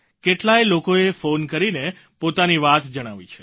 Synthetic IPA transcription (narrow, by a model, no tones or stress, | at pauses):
keʈlajlokoefonkəɾine | pot̪aniʋat̪d͡ʒəɽ̃aʋit͡ʃʰe̥